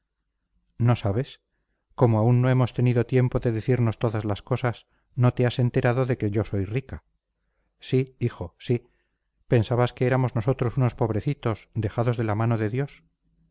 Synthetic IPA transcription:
no̞saβ̞e̞s | ko̞moaunːo̞e̞mo̞st̪e̞niðot̪je̞mpo̞ðe̞ðeθiɾno̞st̪o̞ðazlasko̞sas | no̞t̪ease̞nt̪e̞ɾaðo̞ðe̞ke̞ʝo̞so̞jrika | siixo̞si | pe̞nsaβaskeeɾamo̞zno̞so̞t̪ɾo̞suno̞spo̞β̞ɾe̞θit̪o̞sd̪e̞xaðo̞zðe̞lamano̞ðe̞ðjo̞s

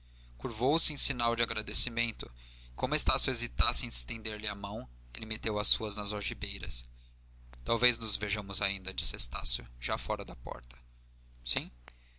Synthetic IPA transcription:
kuɾvowsɪẽj̃sinawd͡ʒɪaɡɾad̪esimẽnt̪ʊ | kõmʊest̪asjʊezit̪asɪẽj̃st̪ẽd̪eɾlɪɐmɐ̃w̃ | elɪmet̪ewɐsuɐznɐzɔʒibejɾɐ̰s | t̪awveznʊzveʒɐ̃mʊzaĩnd̪ɐd͡ʒisɪest̪a̰sjʊʒafɔɾɐd̪ɐpɔ̰ɾt̪ɐ̥ | sĩ

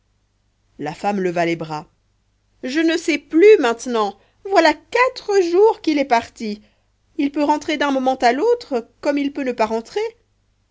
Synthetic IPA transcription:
lafamləvalebʁa | ʒənəsɛplymɛ̃t̪nɑ̃ | vwalakat̪χəʒuʁkilɛpaʁt̪i | ilpøʁɑ̃t̪χed̪ɛ̃mɔmɑ̃t̪alot̪χəkɔmilpønəpaʁɑ̃t̪χe

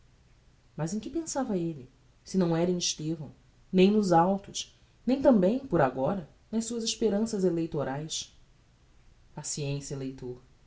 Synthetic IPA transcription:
mɐzẽj̃kɪpẽsavɐelɪ | sɪnɐ̃w̃ɛɾɐẽj̃ɪʃt̪evɐ̰̃w̃ | nẽj̃nʊzawt̪ʊʃ | nẽj̃t̪ɐ̃mbẽj̃pʊɾaɡɔɾɐ | nɐʃsuɐzɪʃpeɾɐ̃sɐzelejt̪oɾajs | pasiẽsiɐelejt̪oɾ

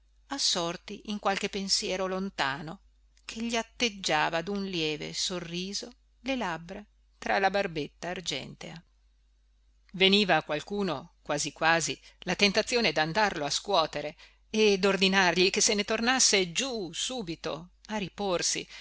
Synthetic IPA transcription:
asːɔrt̪iʔiŋkwalkepːensjɛːɾolont̪aːno | kʰeʎːiat̪ːed͡ʒːaːvad̪unljɛːvḛsorːiːzo | lelabɾa | t̪ɾalabarbet̪ːaːrd͡ʒɛ̰nt̪ea | veniːvakwalkuːnokwaːzikwaːzilat̪ent̪at̪sːjoːned̪and̪arloaskwɔːt̪eɾe | ed̪ord̪inarʎikesenet̪ornasːed͡ʒusuːbit̪o̰aɾiporsḭ

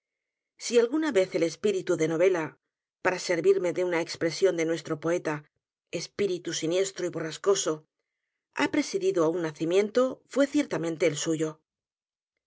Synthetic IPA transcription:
sialɣunaβe̞θe̞le̞spiɾit̪uðe̞no̞β̞e̞la | paɾase̞ɾβiɾme̞ðeunaekspɾe̞sjo̞nd̪e̞nwe̞st̪ɾo̞po̞e̞t̪a | espiɾit̪usinje̞st̪ɾoiβo̞rasko̞so̞ | a̰pɾe̞siðiðoaunːaθimjẽ̞nt̪o̞fwe̞θje̞ɾt̪am̃nt̪e̞ːlsuʝo̞

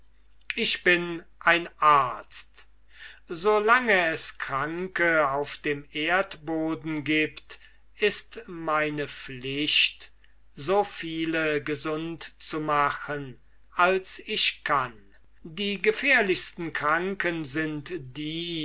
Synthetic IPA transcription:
ʔɪʃb̥ɪnʔaɪnʔaɐt͡st | zolaŋəɛskʁ̥aŋkəaʊfd̥eːmeːɐtboːdn̩ɡiːpt | ɪstmaɪnəflɪʃt | zofiːləɡəzʊntt͡sumaχən | ʔalsɪʃkʰan | diːɡəfɛːɐlɪçstn̩kʁ̥aŋkənzɪntd̥iː

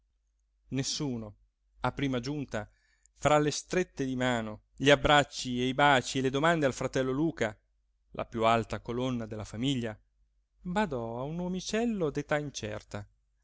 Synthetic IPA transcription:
nesːuːno | apːɾiːmad͡ʒunt̪a | fɾalest̪ɾet̪ːed̪imaːno | ʎiabːɾat͡ʃːiejbaːt͡ʃieled̪omand̪ealfɾat̪ɛlːoluːka | lʔa̰pjualt̪akolonːad̪elːafamiʎːa | bad̪ɔaunomit͡ʃɛlːod̪et̪aint͡ʃɛ̰rt̪a

